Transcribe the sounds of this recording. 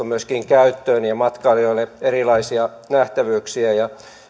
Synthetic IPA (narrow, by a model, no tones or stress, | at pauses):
umyøskiŋkæyt̪ːøːnjɑmɑt̪kɑːlioilːeerilɑisiɑ | næht̪æʋyːksiæjɑ